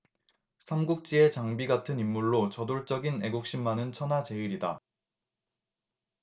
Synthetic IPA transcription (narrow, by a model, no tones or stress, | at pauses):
sʰamɡuk̚t͡ɕ͈ie̞t͡ɕaŋbiɡatʰɯnimːuɭːot͡ɕʌdoɭt͡ɕ͈ʌɡine̞ɡuk̚ɕ͈imːanɯnt͡ɕʰʌnɦat͡ɕe̞iɾida